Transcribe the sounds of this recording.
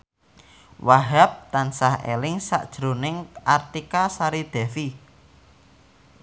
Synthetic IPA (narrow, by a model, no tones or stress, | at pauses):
waɦɛp̚t̪ansahḛlɪŋsa̰ʔd̥ʒ̥ɾo̤nɪŋʔart̪ikasaɾid̪̥ɛ̤fi